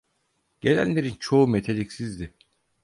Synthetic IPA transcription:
ɟ̥e̞lʲæ̰nlːʲe̞ɾint͡ʃʰo̞umet̪ʰelʲicsizd̪ɪ

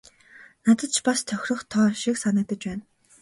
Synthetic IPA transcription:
nat̪ə̆t̪t͡ɕʰpast̪ʰœxʲrɞ̆χt̪ʰɔːʃiksanə̆k̚t̪ə̆t͡ɕpæːn

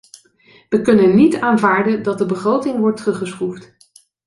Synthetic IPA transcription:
ʋəkɵnənːitaːnvaːɹdəndɑt̚dəbəχrowtɪŋʋɔɹtːərɵχəsχuft

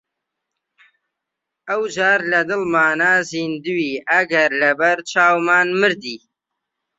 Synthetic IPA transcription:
awd͡ʒaːɾlɐd̪ɪlmaːnazind̪uwiɐɡɐɾlɐbɐɾt͡ʃaːwmaːnmɨɾd̪iː

